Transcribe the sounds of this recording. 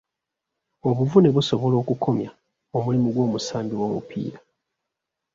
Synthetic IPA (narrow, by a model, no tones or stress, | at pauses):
oβuvune̞βuso̞βo̞lo̞ːkukʰo̞mja | omulimuɡwo̞ːmusaːmbiwamṵpʰḭːɾa